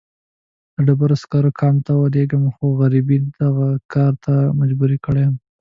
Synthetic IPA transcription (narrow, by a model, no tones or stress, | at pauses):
d̪̥əɖabaɾaskɑɾokʰɑnt̪awad̪eɡəmxoɣaɾibid̪aɣakɑɾt̪ʰamad͡ʒbuɾikəɽejm